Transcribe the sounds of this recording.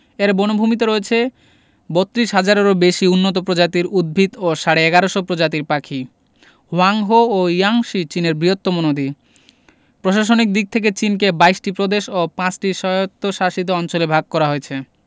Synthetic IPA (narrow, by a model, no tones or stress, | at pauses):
eɾbonobʱumit̪̬oɾoet͡ɕʰe | bot̪ːɾiʃɦad͡ʑaɾeɾobeʃiunːot̪̬opɾod͡ʑat̪iɾud̪̚bʱit̪oʃaɽeɛɡaɾoʃopɾod͡ʑat̪̬iɾpakʰi | ɦoaŋɦoːjaŋʃit͡ɕineɾbɾiɦot̪ːomonod̪i | pɾoʃaʃ̬onik̚d̪ik̚t̪ʰek̬et͡ɕink̬ebajsʈipɾod̪eʃopãt͡ɕʈiʃɔot̪ːoʃaʃit̪̬oɔnt͡ɕolebʱaɡ̚kɔɾaɦoet͡ɕʰe